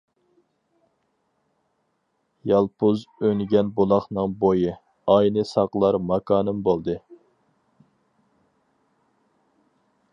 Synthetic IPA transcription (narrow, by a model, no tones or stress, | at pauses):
jɑlˠpʊzøŋɡʲɛnbolˠɑχnɨŋbojɨ | ɑjnɨsɑqlˠɑɾmɑkʰɑːnɨmbolˠd̪ɨ